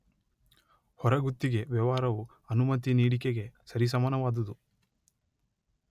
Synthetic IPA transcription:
hɔɾɐɡut̪ːiɡe̞ʋjɐʋaːɾɐʋu | ɐnumɐt̪iniːɽikeɡe̞sɐɾis̬ɐmɐːnɐʋaːd̪ɐd̪u

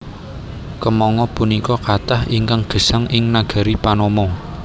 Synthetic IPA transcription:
kəmɔŋɔpunikɔkat̪ahiŋkaŋɡ̥ə̤saŋʔɪŋnaɡ̥a̤ɾipanɔmɔŋ

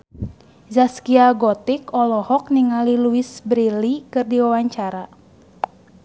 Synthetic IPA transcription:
zaskiaɡɔt̪ikɔlɔhɔk̚niŋaliluisbɾilikɨrdiwawaɲt͡ʃaɾa

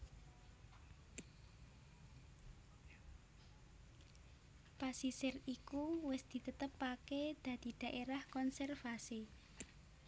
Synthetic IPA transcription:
pasisɪrikuwɪsd̪̥i̤t̪ət̪əpːaked̪̥ä̤d̪̥i̤d̪̥ä̤ʔeɾahkɔnsɛrfasi

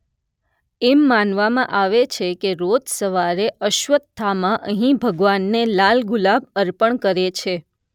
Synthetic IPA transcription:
emːanʋamãʔaʋet͡ʃʰekeɾod͡ʒ̪səʋaɾeəʃʋət̪t̪ʰːamãʔəɦĩbʱəɡʋanːelalɡulab̚əɾpəɳkəɾet͡ʃʰe

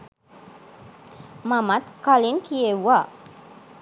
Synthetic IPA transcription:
mamat̪̚kalinkiewa

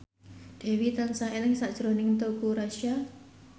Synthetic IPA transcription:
d̪̥e̤wit̪ansaelɪŋsaʔd̥ʒ̥ɾonɪŋt̪okuɾaʃa

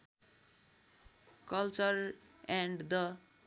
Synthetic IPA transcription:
kʌlt͡sʌɾ | ɛ̃ɳɖd̪ʌ

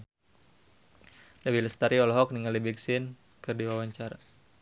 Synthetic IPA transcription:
dawiləst̪aɾiɔlɔɦɔk̚niŋalibiksɪn | kɨrdiwawaɲt͡ʃaɾa

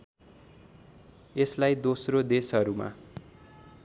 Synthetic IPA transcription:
eslajd̪osrod̪esʌɾuma̰

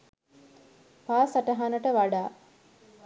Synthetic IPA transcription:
paːsaʈɐɦanəʈəʋaɖaː

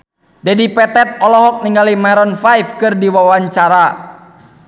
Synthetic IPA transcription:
dɛdipɛt̪ɛt̪̚ɔlɔɦɔk̚niŋɡalimaɾɔnfajfkɨrdiwawaɲt͡ʃaɾa

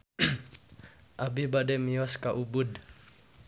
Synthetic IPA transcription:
ʔabibadɛmiɔskaʔubud

